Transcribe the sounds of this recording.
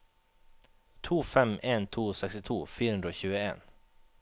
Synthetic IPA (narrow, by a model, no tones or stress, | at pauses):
t̪ʰuːfɛmeːnt̪ʰuːsɛkst̪ɪt̪ʰuːfiːɾəhɵnɾəoɕʉ̟ːɡəḛːn